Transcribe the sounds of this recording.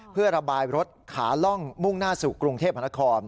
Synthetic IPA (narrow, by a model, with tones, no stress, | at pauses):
pʰɯ˥˩ɐɾa˧baː˧jɾo˦˥t̪̚kʰa̰ː˩˦lɔ˥˩ŋmu˥˩ŋnaː˥˩suː˨˩kɾu˧ŋt̪ʰeː˥˩p̚ha˧na˦˥kʰɔː˧n